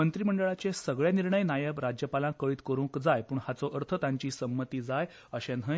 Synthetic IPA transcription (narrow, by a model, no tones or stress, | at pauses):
ənt̪ɾiːm̤əɳɖəɭat͡ɕesəɡɭjaniɾɳəjnajəbɾad͡ʑjəpalãkəɭiːt̪kəɾũŋkd͡zajpuːɳhat͡sɔʔəɾt̪ʰət̪jaɲt͡ɕiːsəmːət̪iːd͡zaj | əɕenə